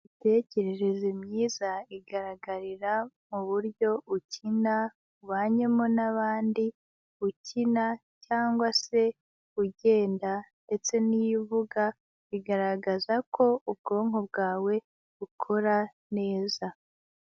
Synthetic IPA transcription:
ite̞ce̞ɾe̞ɾe̞zimɲiːzaiɡaɾaɡaɾiɾa | muβuɾɟjo̞ucʰina | uβaːɲemonaβaːndi | ucʰina | caːŋɡwase̞ | uɟe̞ːndande̞t͡se̞nijivuɡa | iɡaɾaɡazako̞ub̚ɡo̞ːŋob̚ɡaːwe̞ | βukʰo̞ɾa | ne̞ːza

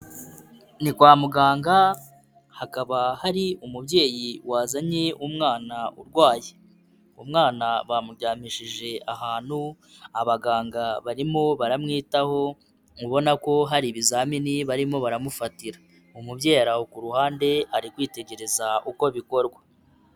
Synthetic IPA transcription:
nikwaːmuɡaːŋɡa | hakaβahaɾiumubɟe̞ːjiwaːzaɲe̞umŋaːnaṵɾɡwaːje | umŋaːnaβamuɾɟaːmiʃiʒe̞ʔaɦaːn̥hu | aβaɡaːŋɡaβaɾimo̞βaɾamŋiːtaho̞ | ŋɡuβo̞nako̞ɦaɾiβizaːminiβaɾimo̞βaɾamufatiɾa | umubɟe̞ːɾahokuɾuhaːnde̞aɾikwiːte̞ɟe̞ɾe̞zaʔuko̞βiko̞ɾɡwa

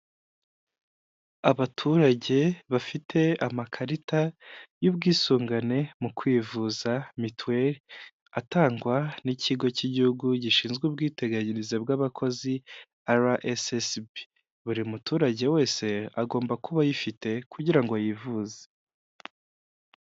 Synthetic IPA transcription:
aβatʰuɾaɟe̞βafitʰe̞amakʰaɾitajubɡiːsuːŋɡane̞mukwiːvuzamitweɾi | ataːŋɡwanicʰiɡo̞ciɟihuɡuɟiʃiːnzɡwub̚ɡiːte̞ɡaɲinizebɡaβakʰo̞zi | aɾaʔesesbi | βuɾimutuːɾaɟe̞we̞ːse̞aɡo̞ːmbakuβajifite̞kuɟiɾaŋɡojivuze̥

